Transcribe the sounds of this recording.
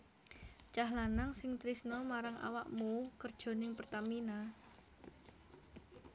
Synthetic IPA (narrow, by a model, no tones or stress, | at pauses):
t͡ʃaɦlanaŋsɪŋt̪ɾisnɔmaɾaŋa̰waʔmuukərd̥ʒ̥ɔ̤nɪŋpərt̪amina